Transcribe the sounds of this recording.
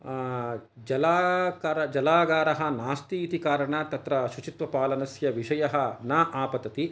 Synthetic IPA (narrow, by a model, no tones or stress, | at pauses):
d͡ʒɐlaːkaːɾɐd͡ʒɐlaːɡaːɾɐɦɐnaːst̪iːt̪ikaːɾɐɳɐt̪ɐt̪ɾɐʃut͡ʃit̪ʋɐpaːlɐnɐsjɐʋiʃɐjɐɦɐnaːʔaːpɐt̪ɐt̪i